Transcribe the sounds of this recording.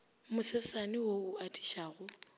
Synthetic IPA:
mʊsɛsanɪwoʊatʼi̥ʃaːɣʊ

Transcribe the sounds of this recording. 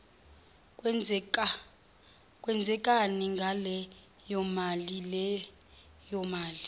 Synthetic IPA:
kʼwɛnd͡zʱɛkʼaniŋɡʱalɛ | jɔmalilɛ | jɔmaːli

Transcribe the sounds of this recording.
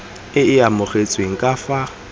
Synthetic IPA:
ɪɪamʊχet͡sʼweŋ̩kʼafa

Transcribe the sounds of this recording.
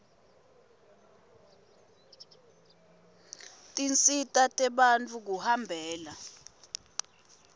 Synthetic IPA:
tʼint͡sʼitʼatʼɛɓant͡fʰʼuk̬uhambʱɛːla

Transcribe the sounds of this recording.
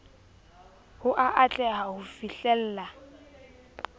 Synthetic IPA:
hʊʔaʔat͡ɬʼɛɦahʊfiɬɛl̩ːla

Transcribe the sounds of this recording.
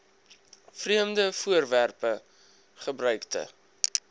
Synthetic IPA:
friəmdəfuərværpə | χəbɾœɥktə̰

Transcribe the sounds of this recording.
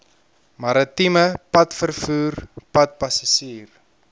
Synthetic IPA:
mɐɾətiməpɐtfərfuːrpɐt̚pɐsasiːr

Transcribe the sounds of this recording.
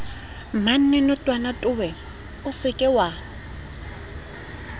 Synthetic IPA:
man̩nɛnɔtʼwanatʼʊwɛ | ʊsɪkʼɪwa

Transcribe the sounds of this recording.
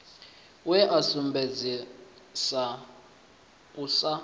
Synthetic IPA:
wɛʔasumbed͡zi | sa | usa

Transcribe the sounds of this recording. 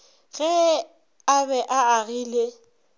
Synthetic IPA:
ɣɛ | abɛʔaaɣiːle

